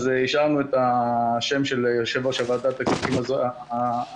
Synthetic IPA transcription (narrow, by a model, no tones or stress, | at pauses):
ziʃaʁnuet̪aʃe̞mʃe̞ljoʃevaʃavaːd̪at̪aksikimazo